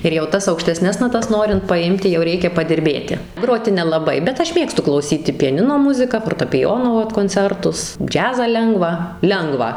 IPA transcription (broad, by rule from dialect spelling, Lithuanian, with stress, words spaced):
ɪr jɛʊ ˈtɐs ɐʊkʃʲtʲɛˈsʲnʲɛs nɐˈtɐs ˈnoːrʲɪnt pɐˈɪmʲtʲɪ jɛʊ ˈrʲɛɪkʲɛ pɐdʲɪrʲˈbʲeːtʲɪ ˈɡroːtʲɪ nʲɛlˠɐˈbɐɪ bʲɛt ˈɐʃ ˈmʲeːkstʊ klˠɐʊˈsʲiːtʲɪ pʲɛˈnʲɪnoː ˈmʊzʲɪkɐ foːrtɐpʲɪˈjoːnoː ˈʋɐt koːnʲˈt͡sʲɛrtʊs ˈd͡ʒʲæːzɑː ˈlʲɛŋɡʋɑː ˈlʲɛŋɡʋɑː